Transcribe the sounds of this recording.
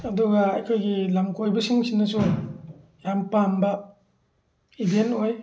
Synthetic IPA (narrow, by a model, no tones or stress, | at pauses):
ɐduɡaajkʰojɡilamkʰojbɐsiŋsinɐsu | jampambɐ | ibentoj